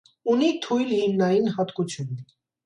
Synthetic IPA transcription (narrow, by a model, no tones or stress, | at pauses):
unit̪ʰujlhimnɑjinhɑt̪kut͡sʰjunːi